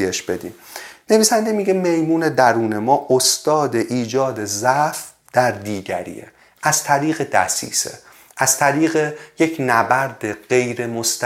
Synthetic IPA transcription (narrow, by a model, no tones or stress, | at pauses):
ieʃb̥e̞d̪ḭːmne̞viːsænd̪emiːɟeme̞jmuːne̞d̪æɾuːne̞mɒːʔost̪ɒːd̪e̞ʔiːd͡ʒɒːd̪e̞zæf | d̪̥æɾd̪iːɟæ̰ɾḭːḛ | ʔæz̥t̪ʰæɾiːɣed̪æ̰sḭːsḛ | ʔæz̥t̪ʰæɾiːɣejecʰnæbæɾd̪eɢ̥e̞jɾe̞most̪